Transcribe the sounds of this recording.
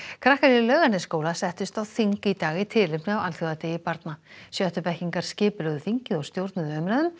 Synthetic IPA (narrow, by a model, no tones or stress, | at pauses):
kʰɾahkaɾjɪlœːɣanːɛskoːwlasɛht̪ʏst̪awθiŋkɪit̪aːɣɪt̪ʰɪlɪpnɪawalθjowðat̪eːjɪpaɾt̪nasjœht̪ʏpɛhciŋkaɾ̥scɪːpʏlœːɣðʏθiɲcɪðɔɣst̪jowɾt̪nʏðœmɾaːðʏm